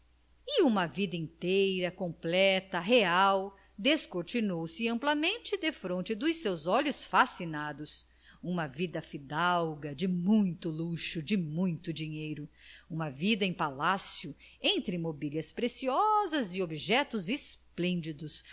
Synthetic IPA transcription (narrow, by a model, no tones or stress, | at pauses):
ɪũmɐvid̪ɐĩnt̪ejɾɐkõmplɛt̪ɐɦeaw | d̪eskoɾt͡ʃinowsɪɐ̃mplɐmẽnt͡ʃɪd̪efɾõnt͡ʃɪd̪ʊjsewzɔlʊsfasinad̪ʊs | ũmɐvid̪ɐfid̪awɡɐd͡ʒɪmũj̃t̪ʊluʃʊd͡ʒɪmũj̃t̪ʊd͡ʒĩɲejɾʊũmɐvid̪ɐẽj̃palasjʊẽnt̪ɾɪmobiljɐspɾesiɔzɐzɪobiʒɛt̪ʊzɪsplẽnd͡ʒid̪ʊs